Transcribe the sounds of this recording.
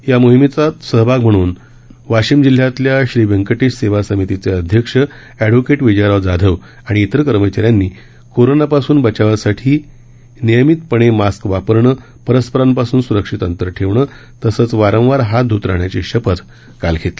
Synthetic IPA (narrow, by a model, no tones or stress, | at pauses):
jamoɦimit͡sat̪səɦbʱaɡm̤əɽ̃uːn | ʋaɕiːmd͡ʑil̤jat̪ljaɕɾiʋəŋkəʈiːʂseʋasəmit̪it͡seəd̪ʱjəkʂə | æɖʋokeʈʋid͡ʑaɾaʋd͡zad̪ʱəʋ | aɽ̃iːt̪əɾkəɾmət͡ɕaɾjanːiː | koɾonapasuːnbət͡ɕaʋasaʈʰiː | nijəmit̪̚pəɽ̃emaskʋapəɾɳə | pəɾəspəɾampasuːnsuɾəkʂit̪ənt̪əɾəʈʰeʋɳəː | t̪əsət͡sʋaɾə̃w̃ʋaɾɦad̪ʱut̪ɾa̰ɳjat͡ɕeɕəpət̪ | kalkʰet̪le